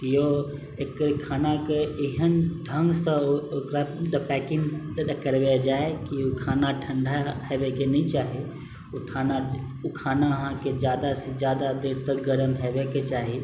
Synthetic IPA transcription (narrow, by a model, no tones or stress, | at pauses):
kijo | ekɾkʰaːnakeɪɦənɖʱə̃ŋɡsəokɾad̪əpɛːkɪ̃ŋɡ̪d̪kəɾbed͡ʒaːekiokʰaːnaʈʰə̃ɳɖʱaɦɛːbekenĩt͡ʃaːɦe | oʈʰaːna | ukʰaːnaɦãked͡ʒjaːd̪ased͡ʒjaːd̪ad̪eɾt̪əɡəɾəmɦɛbeket͡ʃaːɦi